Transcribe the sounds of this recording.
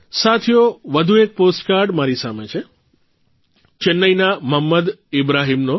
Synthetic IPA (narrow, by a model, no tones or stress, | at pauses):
sat̪ʰijoʋəd̪ʱuek̚posʈkaɾɖmaɾisamet͡ʃʰe | t͡ʃɪnːəjnaməmːəd̪ɪbɾaɦimno